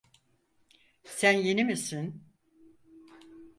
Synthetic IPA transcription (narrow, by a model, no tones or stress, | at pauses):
sænjenimisin